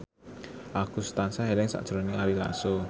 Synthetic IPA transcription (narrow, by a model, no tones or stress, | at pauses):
ʔakusə̥t̪ansaɦelɪŋsa̰ʔd̥ʒ̥ɾoniaɾila̰so